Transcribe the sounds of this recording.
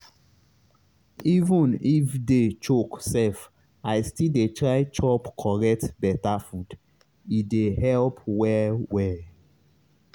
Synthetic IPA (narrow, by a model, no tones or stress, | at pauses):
ivɔ̃nifdet͡ʃoksɛf | ajstildetɹaɪt͡ʃɔpkʰɔɹɛk̚tbɛtafud | idehɛlpwɛwɛ